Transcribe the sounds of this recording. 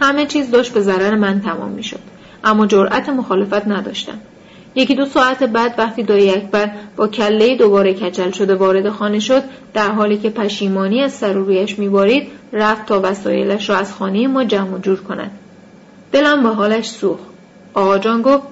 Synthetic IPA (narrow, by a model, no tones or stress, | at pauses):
hæme̞t͡ʃʰiːzd̪ɒːʃt̪̚be̞zæɾæɾemænt̪ʰæmɒ̰ːmːiːʃo̞̰d̪̥ | ʔæmːɒːd͡ʒoɾʔæt̪ʰe̞mo̞xɒːle̞fæt̪ʰnæd̪ɒ̰ːʃt̪æ̰m | je̞cid̪o̞sɒːæt̪ʰebæd̪væχt̪ʰiːd̪ɒːjeæcʰbæɾb̥ɒːcʰælːe̞jid̪o̞bɒːɾe̞cʰæt͡ʃʰælʃo̞d̪e̞vɒːɾe̞d̪e̞xɒːne̞ʃo̞d̪ | d̪æɾɦɒːliːcʰe̞pʰæʃiːmɒːniːæzsæɾuːɾuːjæʃmiːbɒːɾiːd̪̥ræft̪ʰːɒːvæsɒ̰ːje̞̰læʃɾɒːæz̥xɒːnejemɒːd͡ʒæmod͡ʒuːɾkʰo̞næ̰d̪̥ | d̪̥e̞læmbeɦɒːlæʃsuːxt̪ | ʔɒːɣɒːd͡ʒɒːnɡoft̪